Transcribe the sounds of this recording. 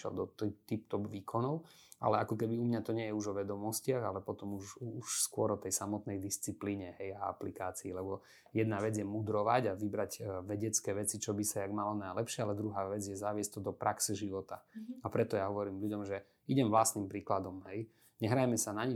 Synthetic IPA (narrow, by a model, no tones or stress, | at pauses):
ɛ̰ld̪ɔt̪t̪ipt̪ɔbʋiːkʰɔnɔʊʔa̰lɛakɔkɛbiumɲat̪ɔɲɪɛjɛuʒɔʋɛd̪ɔmɔscɪaɣalɛpɔt̪ɔmuʃuʃskʊɔɾɔt̪ɛjsamɔt̪nɛjd̪ist͡sipliːɲɛɦɛjaa̰plikaːt͡siːlɛbɔ | jɛd̪naʋɛd͡zjɛmud̪ɾɔʋaɟaʋibɾaɟʋɛɟɛt͡skɛːʋɛt͡sit͡ʃɔbisajaɡmalɔnajlɛpʃɪaalɛd̪ɾuɦaːʋɛd͡zjɛzaʋɪɛsc̚t̪ɔd̪ɔpɾʔaksɛʒiʋɔt̪aapɾɛt̪ɔjaɦɔʋɔɾiːmʎuɟɔmʒɛ | iɟɛmvlasnimpɾiːklad̪ɔmɦɛj | ɲɛɦɾajmɛsanaɲi